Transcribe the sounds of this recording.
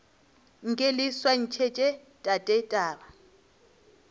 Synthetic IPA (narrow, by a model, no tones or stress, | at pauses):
ŋ̩kʼeliswan̩t͡ʃʰɛt͡ʃʼɛ | tʼatʼɛtʼaːɓa